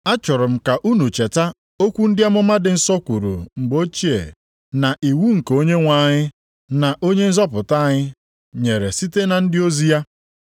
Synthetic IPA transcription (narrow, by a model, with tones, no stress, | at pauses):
a˦t͡ʃʊ˨ɾʊ˨m̩˦ka˨ʔu˦nu˨t͡ʃe˨ta˦ | o˦kʷu˦n̩˦dɪ˦a˦mʊ˦ma˦dɪ˨n̩˦sɔ˦kʷu˨ɾṵ˨ŋ͡m̩˨ɡ͡bo˦t͡ʃi˦ḛ˨ | na˨ʔi˨wu˦ŋ̩˨ko˦ɲe˦ŋʷa˨ɲɪ˦ | na˨ʔo˦ɲe˦n̩˦zɔ˦pʊ˨ta˦˨ɲɪ˦ | ɲe˨ɾe˨si˦te˦na˨n̩˦dɪ˦o˦zi˦ja˦